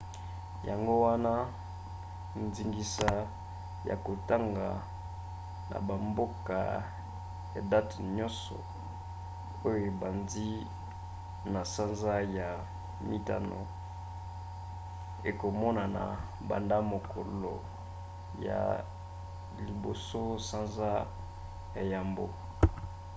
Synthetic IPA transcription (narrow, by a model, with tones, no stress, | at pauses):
ja˨ŋɡo˦wa˦na˦ | nzi˨ŋɡi˨sa˦ | ja̰˨ko˨ta˦ŋɡa˨ | na̰˨ba˨mbo˦ka̰˨ | ja˨da˦tɲɔ̃˦nsɔ̰˨ | o˦jo˨e˨ba˨ndi˦ | na˨sa˦nza˦ja˨ | mi˦ta̰˦no̰˨ | e˨ko˨mɔ˦na˨na̰˨ | ba̰˨nda˦mo˨ko˨lo̰˨ | ja̰˨ | li˨bo˨so˦sa˦nza˦ | ja˨ja˨mbo˦